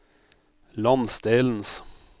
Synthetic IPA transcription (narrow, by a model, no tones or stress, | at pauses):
lɑnsd̪eːln̩s